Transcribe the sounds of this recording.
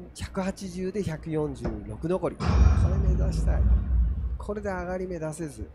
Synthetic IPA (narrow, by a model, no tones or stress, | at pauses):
çḁkɯ̟hat͡ɕiʑɨːd̪e̞çakɯ̟jõ̞ɲ̟d͡ʑɨːɾo̞kɯ̟no̞ko̞ɾʲḭkʰoɾemed̪oɕi̥t̪a̰ḭkʰo̞ɾe̞d̪e̞aɡaɾʲime̞d̪ase̞zɨ